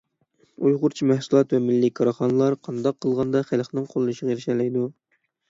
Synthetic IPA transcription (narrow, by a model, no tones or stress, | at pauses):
ujʁʊɾt͡ʃʰimæhsulˠɑt̪vɛmɪlːikʰɑɾɑχɑnɨlˠɑɾqʰɑnd̪ɑqʰːəlˠʁɑnd̪ɑχælχnɪŋqʰolˠɨʃəʁeɾɪʃɛlɛjd̪u